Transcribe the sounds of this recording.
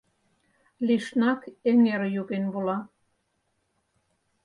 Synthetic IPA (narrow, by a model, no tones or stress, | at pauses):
liʃnɑkeŋeɾjuɣenβulɑ